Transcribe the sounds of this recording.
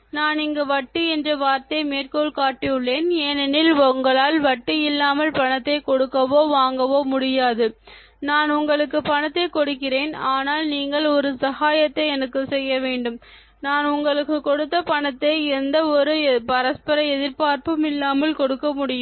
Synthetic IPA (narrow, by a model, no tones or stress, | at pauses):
naːnɪŋɡɐʋɐʈːɯɛndrɐʋaːɾt̪ɐmeːrkoːɭkaːʈːɪjɯɭːeːneːnɐnɪlʊŋɡɐɭaːlʋɐʈːɯjɪlːaːmɐlpɐɳɐt̪ːɐɪkɔɽɯkːɐʋoːʋaːŋɡɐʋoːmʊɽɪjaːðɯ | naːnʊŋɡɐɭɯkːɯpɐɳɐt̪ːɐɪkɔɽɯkːɪreːnaːnaːlniːŋɡɐɭɔɾɯsɐɣaːjɐt̪ːɐɪɛnɐkːɯsɛjːɐʋeːɳɖɯm | naːnʊŋɡɐɭɯkːɯkːɔɽɯt̪ːɐpɐɳɐt̪ːɐɪɪɾɯnd̪ɐɔɾɯpɐɾɐspɐɾɐɛðɪɾpaːɾpɯmɪlːaːmɐlkɔɽɯkːɐmʊɽɪjɯm